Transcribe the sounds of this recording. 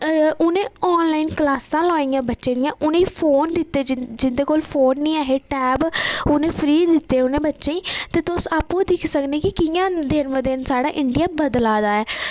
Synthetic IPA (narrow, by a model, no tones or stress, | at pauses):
ʊnẽːɔːnlaːiːnklaːsãːlɔːĩːjãːbətːʃẽːd̪ijãːʔʊnẽipʰoːnd̪ɪt̪ːeːd͡ʒɪnd̪eːkoːlpʰoːnːĩːaːɦeːʈɛːbʊnẽːpʰəɾiːd̪ɪt̪ːeːʊnẽːbətːʃẽːĩːt̪eːt̪ʊsaːpːõd̪ɪkʰsəkneːkɪkɪjãːd̪enʋə̃d̪ɪnsaːɽaːʔɪɳɖijaːbəd̪laːd̪aːɛː